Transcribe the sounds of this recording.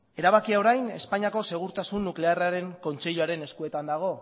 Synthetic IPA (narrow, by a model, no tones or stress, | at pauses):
e̞ɾaβakiao̞ɾajne̞̰spaɲiako̞se̞ɣ̞uɾt̪asunːukle̞araɾe̞ŋko̞nt͡se̞ʎuaɾe̞ne̞skue̞t̪and̪aɣ̞o̞